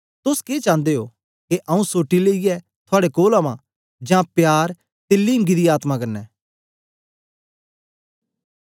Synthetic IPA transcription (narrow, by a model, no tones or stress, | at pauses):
t̪ʊskeːt͡ʃãːnd̪eɦo | keʔɐũsoːʈileːijɛ | t̪ʰʊaːɽekoːlamã | d͡ʒãpjaːɾ | t̪eːlːiɪ̃ŋɡid̪iaːt̪mãkɐɾnɛː